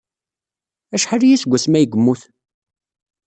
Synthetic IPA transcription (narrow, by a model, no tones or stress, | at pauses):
æʃħaɾijæsɡʷːæsmæjəɡəmːuθ